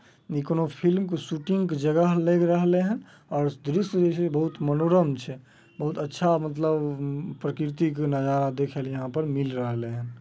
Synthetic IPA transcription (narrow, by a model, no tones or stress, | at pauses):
ikonopʰilmkesuʈiŋɡked͡ʒəɡəɦleɡɾəɦleɦən | ɔːɾd̪ɾisd͡ʒet͡ʃʰebəɦut̪mənoɾəmt͡ʃʰɛ | bəɦut̪ətːʃʰamət̪ləbpɾəkiɾt̪iknəd͡ʒaɾad̪ekʰeljəɦãpəɾmilɾəɦleɦən